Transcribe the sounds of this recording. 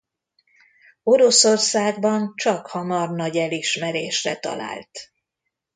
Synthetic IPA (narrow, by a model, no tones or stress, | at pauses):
o̞ɾo̞so̞rsaːɡ̚bɒnt͡ʃɒkhɒmɒrnɒɟɛliʃmɛɾeːʃrɛt̪ɒ̰la̰ːlt̪